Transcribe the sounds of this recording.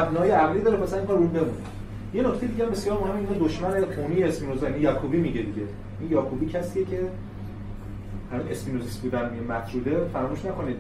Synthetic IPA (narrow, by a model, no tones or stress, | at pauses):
æbnɒjeæʁliːd̪ɒːɾepʰæsæmkʰɑɾumbe̞mun | je̞nocʰt̪ejid̪iɟæmbe̞sjɒːɾmohæmiinoːd̪oʃmæneχuːnijeesminozijnijɒkʰubiːmiɟed̪iɟejʔinjɒːkʰubiːcʰæsiːecʰe | hænuze̞smiːnozisbuːd̪ænmiemæt̪ʰɾuːd̪efæɾɒmuʃnæko̞nid̪̥